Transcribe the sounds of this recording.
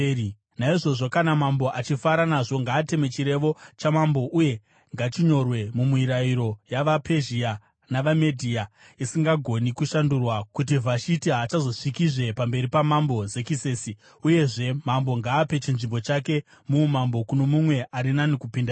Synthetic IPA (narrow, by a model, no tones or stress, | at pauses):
naiʐo̞ʐo̞kanamambo̞ʔat͡ʃifaɾanaʐo̞ŋɡaːte̞mwet͡ʃiɾe̞ʋo̞t͡ʃamambo̞ʔuje̞ | ŋɡat͡ʃiɲo̞rwe̞mumuiɾaiɾo̞jaʋape̞ʒia | naʋame̞dʱiːa | isiŋɡaɡʱo̞nikuʃandurwakut̬ivʱaʃitiɦaːt͡ʃazo̞ʂikiʐe̞pambe̞ɾipamambo̞ze̞kiseːsi | uje̞ʐe̞mambo̞ŋɡaːpe̞t͡ʃinʐimbo̞t͡ʃake̞ | mumambo̞kuno̞mumwe̞ʔaɾinanikupinda